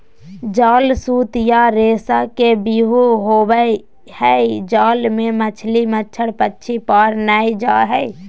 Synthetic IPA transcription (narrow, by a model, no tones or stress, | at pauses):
d͡ʒaːlsuːt̪jaɾeːsakebiɦuɦoːbəj | hɛid͡ʒaːlmẽmət͡ʃʰlimətːʃʰəɽpətːʃʰipaːɾnaːid͡ʒaɦɛj